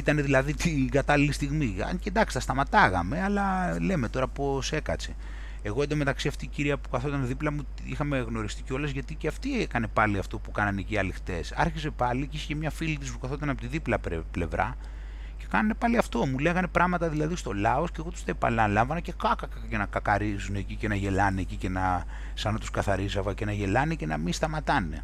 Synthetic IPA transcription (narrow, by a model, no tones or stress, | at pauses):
it̪ɐne̞ðilɐðit̪ʰiɡɐt̪ɐlilist̪iɣmḭcend̪ɐksi̥t̪ɐst̪ɐmɐt̪ɐɣɐ̰me̞ɐlɐle̞me̞t̪o̞ɾɐpo̞se̞kɐt͡se | e̞ɣoend̪ome̞t̪ɐksiɐft̪iːciɾiɐpu̥kɐθo̞t̪ɐneðiplɐmut̪ | ixɐme̞ɣno̞ɾist̪iceo̞lɐzʝɐt̪iceɐft̪iekɐne̞pɐliɐft̪o̞pukɐnɐneciɐlixt̪e̞̰sɐ̰ɾçize̞pɐliciscemɲɐfilit̪ispukɐθo̞t̪ɐnɐpot̪iðiplɐple̞vɾɐ̰ | ce̞kɐnɐne̞pɐliɐft̪o̞muleɣɐne̞pɾɐɣmɐt̪ɐðilɐðist̪o̞lɐo̞sceɣo̞t̪u̥st̪epɐ̰lɐlɐɱvɐnɐce̞kɐkɐkɐce̞nɐkɐkɐɾizune̞ːcicenɐʝe̞lɐnecice̞nɐ | sɐnɐt̪u̥skɐθɐɾisɐvɐce̞nɐʝe̞lɐnecenɐ̰mist̪ɐmɐt̪ɐne̞̰